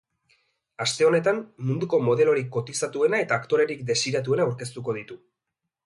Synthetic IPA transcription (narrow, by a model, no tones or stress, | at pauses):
ast̪e̞o̞ne̞t̪anmund̪uko̞mo̞ð̞e̞lo̞ɾikːo̞t̪isat̪ue̞nae̞t̪aːkt̪o̞ɾe̞ɾikd̪e̞siɾat̪̬ue̞naːwɾke̞st̪uko̞ð̞it̪u